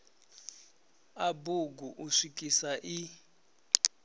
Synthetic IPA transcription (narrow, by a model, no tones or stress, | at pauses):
abuɡuʔuʂik̬ʼisaʔi